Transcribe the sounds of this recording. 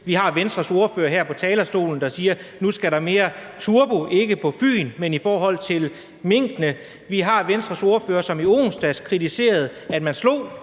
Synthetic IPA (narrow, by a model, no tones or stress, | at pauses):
ʋiɦɑ̈ʋensd̥ʁɐso̝ɐfø̰ːɐɦæɐ̰pʰɒ̽t͡sʰɛːlɐsd̥o̝̰ːln̩d̥ɑ̈siːɐnusɡ̥æɾɑ̈me̝ːɐt͡sʰuɐb̥oʔe̝ɡ̥əpʰɒ̽fy̰ːnmenifɒːɦɒ̽l̰t͡sʰe̝l | me̝ŋ̰ɡ̥nə | ʋiɦɑ̈ʋensd̥ʁɐso̝ɐføːɐsɒ̽mio̝̰ːŋsd̥æskʰʁit͡sʰise̝̰ːɐð̞̩ˠæd̥mænslo̝̰ː